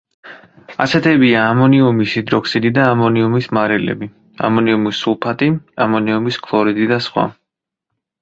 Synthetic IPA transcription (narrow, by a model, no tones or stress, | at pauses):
a̰sɛt̪ʰɛbiaːmɔniumisid̪ɾɔksid̪id̪aːmɔniumismaɾɛlɛ̰bi | a̰mɔniumisːulˠpʰat̪ʼiamɔniumiskʰlˠɔɾid̪id̪asχwa̰